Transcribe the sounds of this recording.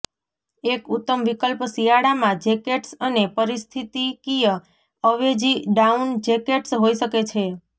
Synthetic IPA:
ekut̪ːəmʋikəlpsijaɽamãd͡ʒekeʈsənepəɾist̪ʰit̪ikijə | əʋed͡ʒiɖaund͡ʒekeʈsɦoiʃəket͡ʃʰe

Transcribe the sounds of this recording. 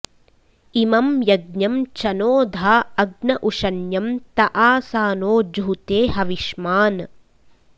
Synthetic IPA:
imɐmjɐɡɲjɐmt͡ʃɐnoːd̪ʱaːɐɡnɐʔuʂɐnjɐmt̪ɐʔaːsaːnoːd͡ʒɦt̪eːɦɐʋiʃmaːn

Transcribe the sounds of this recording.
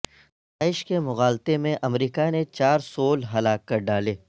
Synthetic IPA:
d̪aːɪʃkemʊɣaːlt̪emẽʔɐmɾiːkanet͡ʃaːɾsoːlɦɐlaːkːɐɾɖaːleː

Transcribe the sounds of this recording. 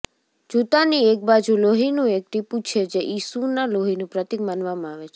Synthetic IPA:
d͡ʒut̪aniek̚bad͡ʒuloɦinũek̚ʈ̪ipũt͡ʃʰed͡ʒeʔisunaloɦinũpɾət̪ik̚manʋamãaʋet͡ʃʰe

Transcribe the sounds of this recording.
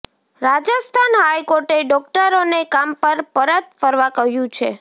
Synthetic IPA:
ɾad͡ʒəst̪ʰanɦajkoɾʈeɖɔk̚ʈəɾonekampəɾpəɾət̪fəɾʋakəɦjũt͡ʃʰḛ

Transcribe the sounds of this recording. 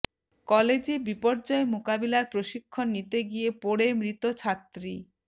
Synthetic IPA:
kɔled͡ʑebipɔɾd͡ʑɔemokabilaɾpɾoʃikʰːonːit̪eɡiepoɽemɾit̪ot͡ɕʰat̪ːɾi

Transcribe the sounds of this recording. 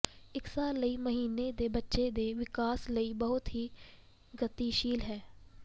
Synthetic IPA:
ɪksaːlːəiːməɦiːned̪eːbətːʃed̪eːʋɪkaːsləibəɦʊt̪ɦiː | ɡət̪iʃiːlɦɛː

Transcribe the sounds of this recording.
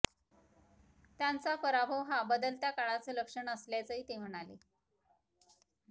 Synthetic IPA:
t̪jant͡safəɾabʱəʋɦabəd̪əlt̪jakaɭat͡səːləkʂəɳəsljat͡səɦiːt̪em̤əɽ̃alḛ

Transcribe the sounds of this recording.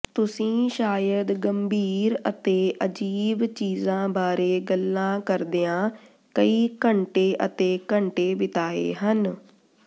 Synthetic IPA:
t̪ʊsĩːʃaːjəd̪ɡəmbʱiːɾət̪eːʔəd͡ʒiːbt͡ʃiːzãːbaːɾeːɡəlːãːkəɾd̪eãː | kəiːkəɳʈeːʔət̪eːkəɳʈeːbɪt̪aːḛːɦən

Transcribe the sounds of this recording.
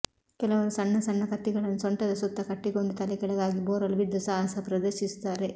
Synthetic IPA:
kɛlɐʋɐɾusɐnːɐsɐnːɐkɐt̪ːiɡɐɭɐnːusɔɳʈɐd̪ɐsut̪ːɐkɐʈːiɡoɳɖut̪ɐlikɛɭɐɡaːɡiboːɾɐluʋid̪ːusaːɦɐsɐpɾɐd̪ɐɾʃisu̥t̪aːɾe

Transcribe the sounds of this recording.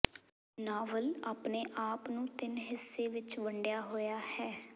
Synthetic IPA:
naːʋəlaːpneːʔaːpnũːt̪ɪnɦɪsːeːʋɪt͡ʃʋəɳɖjaːɦoːjaːhɛː

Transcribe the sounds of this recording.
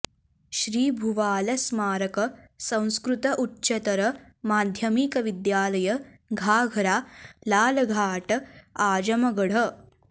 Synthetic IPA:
ʃɾiːbʱuʋaːlɐsmaːɾɐkɐsɐ̃w̃skɾut̪ɐʔutːɕɐt̪ɐɾɐ | maːd̪ʱjɐmiːkɐʋid̪jaːlɐjɐ | ɡʱaːɡʱɐɾaːlaːlɐɡʱaːʈɐaːd͡ʒɐmɐɡɐɽ̤ɐ

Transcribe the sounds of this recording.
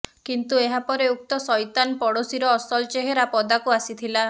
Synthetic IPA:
kint̪ueɦapɔɾeuk̚t̪ɔsɔjt̪anpɔɽosiɾɔːsɔlt͡ʃeɦeɾapɔd̪akuasit̪ʰila

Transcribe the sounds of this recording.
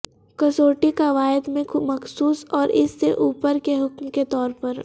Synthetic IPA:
kɐsoːʈikaʋaːɪd̪mẽmɐxsuːsɔːɾɪ̰sːeʔuːpəɾkeɦʊkmket̪ɔːɾpɐɾ

